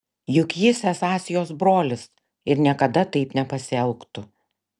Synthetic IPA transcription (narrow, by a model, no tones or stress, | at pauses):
jʊkʲiːsʲɛsɑːsʲɪjoːsbɾoːlʲɪs | ɪɾnʲiɛkɐd̪ɐt̪ɐɪpnʲɛpɐsʲɪɛlˠkt̪ʊ